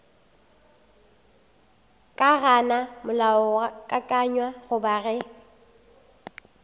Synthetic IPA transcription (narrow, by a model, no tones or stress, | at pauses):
kʼaɣanamʊlaʊakʼakʼaɲwaɣʊbaɣɛ